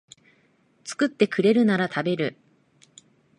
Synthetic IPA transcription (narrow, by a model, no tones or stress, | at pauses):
t͡sɨ̥kɯ̟t̪ːe̞kɯ̟ɾe̞ɾɯ̟naɾat̪ʰabe̞ɾɯ̟